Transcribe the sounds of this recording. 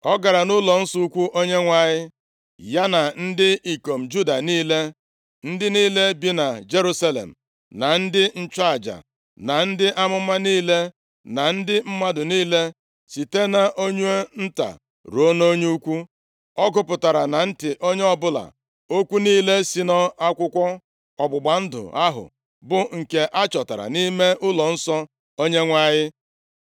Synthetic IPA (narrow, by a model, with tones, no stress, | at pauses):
ɔ˦ɡa˨ɾa˨nʊ˦lɔ˨n̩˦sʊ˦u˦kʷu˦ʔo˦ɲe˦ŋʷa˨ɲɪ˦ | ja˦na˨n̩˦dɪ˦i˨ko˨m̩˨d͡ʒu˦da˨niː˦le˦ | n̩˦dɪ˦niː˦le˦bi˦na˨d͡ʒe˦ɾu˦sa˦lḛ˨m̩˨ | na˨n̩˦dɪ˦n̩˦t͡ʃa˦a˨d͡ʒa̰˨ | na˨n̩˦dɪ˦ʔa˦mʊ˦ma˦niː˦le˦ | na˨n̩˦dɪ˦m̩˦ma˦dʊ˨niː˦le˦ | si˨te˦na˨ʔo˦ɲu˦e˦n̩˦ta̰˨ | ɾo˦no˦ɲ˦u˦kʷu˦ | ɔ˦ɡʊ˦˨pʊ˨ta˨ɾa˨na˨n̩˦tɪ˨ʔo˦ɲe˦ɔ˦bʊ˦la̰˨ | o˦kʷu˦niː˦le˦si˨nɔ˦a˦kʷʊ˦kʷɔ˦ | ɔ˨ɡ͡bʊ˨ɡ͡ba˨n̩˦dʊ̰˨a˦ɦʊ̰˨ | bʊ˨ŋ̩˨ke˨ʔa˦t͡ʃɔ˨ta˨ɾa̰˨ni˦me˦ʔʊ˦lɔ˨n̩˦sɔ˦ | o˦ɲe˦ŋʷa˦ɣɪ˦